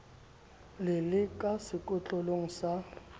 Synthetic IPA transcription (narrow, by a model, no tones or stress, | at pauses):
lɪlɪkʼasɪkʼɔt͡ɬʼɔloŋ̩sa